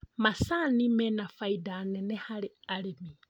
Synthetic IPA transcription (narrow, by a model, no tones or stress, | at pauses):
masanimɛnafaidanɛnɛhalɪalimi